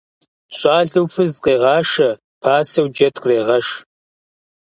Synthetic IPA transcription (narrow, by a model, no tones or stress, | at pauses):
ɕʷʼɑːɮɨwfɨzqʼeːʁɑːʂɐ | pʰaːsɐwd͡ʒɐtʰkreːʁɐʃ